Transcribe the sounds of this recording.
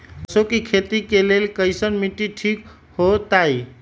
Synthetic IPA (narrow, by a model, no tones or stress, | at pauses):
əsokekʰet̪ikelelkəjsənmiʈiʈʰik | hot̪ai